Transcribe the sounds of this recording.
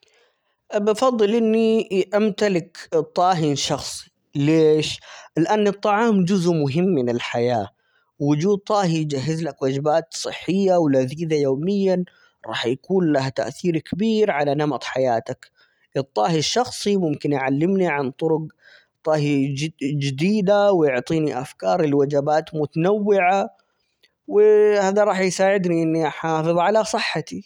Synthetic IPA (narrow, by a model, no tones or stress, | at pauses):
bɪfɑðˤːɨlʔɪnːiʔamt̪alɪkt̪ˤːɑːɦɪnʃɑxsˤi̥ | leːʃlɪʔanːɨt̪ˤːɑʕɑːmd͡ʒʊzʔmʊɦɪmːɪnɪlħajaː | wːʊd͡ʒuːd̪̚t̪ˤɑːɦijd͡ʒaɦːɪzlakwaːd͡ʒɪbaːt̪sˤɨ̰ħːɪjːawlaziːd̪ajoːmɪjːa | ɾˤɑ̰ːħjakuːnlaht̪a̰ʔθiːɾkabiːɾʕalanɑmɑt̪ˤħajaːt̪ak | ʔɨt̪ˤːɑːhiʃːɑxsˤimʊmkɪnjʕalːɪmniʕant̪ˤʊɾʊɡ | t̪ˤːɑːɦid͡ʒɪd̪iːd̪awjʊʕt̪ˤiːniʔafkɑːɾˤɪlwad͡ʒabaːt̪mʊt̪anawːɪʕa | wɪhaːd̪aɾˤɑːħjsaːʕɪd̪niʔɪnːiʔaħɑːfɨðˤʕalasˤɨħːat̪i